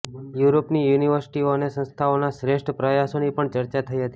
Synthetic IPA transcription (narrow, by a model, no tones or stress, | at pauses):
juɾopnijuniʋəɾsi̥ʈioənesə̃nst̪ʰaonaʃɾeʃʈʰəpɾəjasonipəɳt͡ʃəɾt͡ʃat̪ʰəiɦət̪i